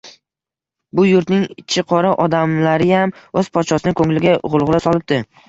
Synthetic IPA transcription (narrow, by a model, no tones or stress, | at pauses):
bʊjʊɾt̪nɪŋt͡ʃʰɪqʰɒɾɪʔɒd̪amlaɾɪjamɵzpʰɒt̪ʃɒsɪnɪkʰɵŋlɪɡʲaʁʊlˠʁlˠasɒlˠɪp̚d̪ɪ